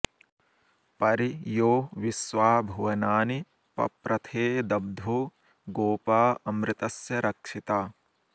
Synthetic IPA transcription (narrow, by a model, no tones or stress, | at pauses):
pɐɾijoːʋiswaːbʱɐʋɐnaːni | pɐ̰pɾɐt̪ʰeːd̪ɐb̚d̪ʱu | ɡoːpaːɐmɾɪt̪ɐsjɐɾɐkʂit̪aː